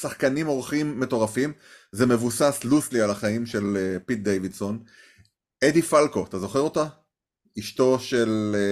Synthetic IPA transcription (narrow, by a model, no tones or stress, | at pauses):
saχkanimo̞ʁχimːe̞to̞ʁafim | ze̞me̞vusasluslialaχaimʃe̞lepit̪̚d̪ejvidso̞n | edifalko̞at̪azo̞χeʁot̪a | iʃto̞ʃe̞l